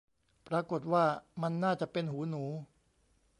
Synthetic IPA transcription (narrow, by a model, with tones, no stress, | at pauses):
pɾaː˧ko˨˩t̪̚waː˥˩ma˧nːaː˥˩t͡ɕa˨˩ʔpe˧nɦuː˩˦nuː˩˦